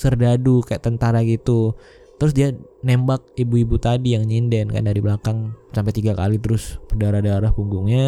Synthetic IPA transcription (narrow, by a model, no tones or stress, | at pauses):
sərdadukaja̰ʔt̪ənt̪aɾaɡit̪u | t̪əɾʊs̬dianembak̚ibuibut̪adijaŋɲindɛnka̰ndaɾibəlakaŋsampajt̪iɡaka̰lit̪əɾʊspərdaɾahdaɾahpuŋɡuŋɲa